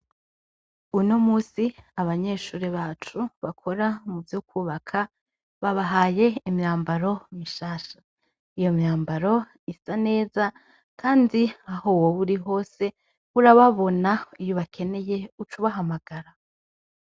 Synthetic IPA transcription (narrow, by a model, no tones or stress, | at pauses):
ujunomuːsiaβaɲe̞ʃuːɾeβaːt͡ʃuβakʰoɾamuvjukuːβakʰa | βaβaɦaːje̞imɲaːmbaɾo̞miʃaːʃḁ | ijo̞mjaːmbaɾo̞ | isane̞ːza | kʰaːndiaho̞woβuɾiɦo̞ːse̞ | βuɾaβaβo̞naijoβakʰe̞ne̞jeut͡ʃuβaɦamaɡ̥aɾa